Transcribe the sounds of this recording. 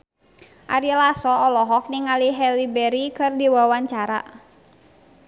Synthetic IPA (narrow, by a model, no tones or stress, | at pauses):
ʔa̰ɾilasɔːlɔɦɔk̚niŋaliɦɛlibɛɾikɨrdiwawaɲt͡ʃaɾa̰